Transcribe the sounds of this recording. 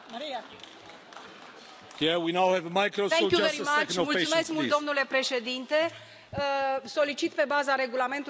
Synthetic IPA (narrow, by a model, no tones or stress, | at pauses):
kɛwinawhɛvəmajkɾost̪eojuɾimanmult̪sumeskmulttd̪o̞mnule̞pɾe̞ʃe̞d̪int̪e̞ | so̞lit͡ʃit̪pe̞bazaɾe̞ɡulame̞nt̪u